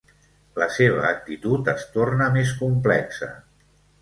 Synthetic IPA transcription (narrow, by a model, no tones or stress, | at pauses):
ləseβ̞əːk̚t̪it̪ut̪əst̪ornəmes̬kumplɛksə̰